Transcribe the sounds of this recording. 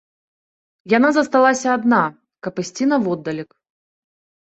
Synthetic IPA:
janazɐst̪alˠasʲɐːd̪na | kɐpɨsʲt͡sʲinɐvɔd̪ːɐlʲik

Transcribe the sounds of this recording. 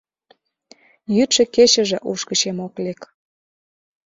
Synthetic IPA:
jyt̪ʃĕket͡ɕə̆ʒĕʔuʃkət͡ɕemoklek

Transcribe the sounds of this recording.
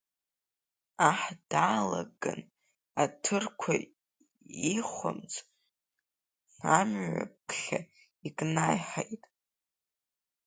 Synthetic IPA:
aħd̥aːlaɡan | atʰɨrkʷʰa | iχʷa̰mt͡sʼ | amɥa̰pʰχʲa | ikʼnajħejtʼ

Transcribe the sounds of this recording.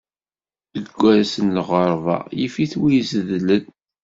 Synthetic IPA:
əɡʷːæɾsənlʁəɾˤvɑ̰jifiθwijzəðləð

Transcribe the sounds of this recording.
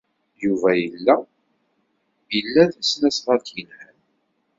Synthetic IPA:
juvæjəlːæ | jəlːæðæsnæsʁəɾt̪jənhən

